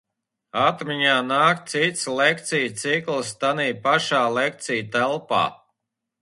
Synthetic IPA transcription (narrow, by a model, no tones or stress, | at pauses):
at̪mʲiɲaːnaːkt̪sit̪slˠek̚t̪sijt̪siklˠst̪aniːpaʃaːlˠek̚t̪sijt̪ælˠpa̰ː